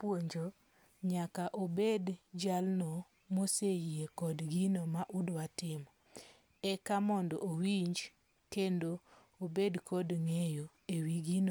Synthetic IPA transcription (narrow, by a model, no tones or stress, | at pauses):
pwoɲd͡ʒo | ɲakaʔobedd͡ʒalno | mosejiekɔdɡinomaʔudwatɪm | ɛkamɔndɔ̰ʔowiɲd͡ʒ | kendo | obedkʰɔdŋejo | ewiɡino